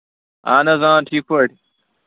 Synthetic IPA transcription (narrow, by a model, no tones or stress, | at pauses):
aːnɐzãːʈʰiːkʰɐʈi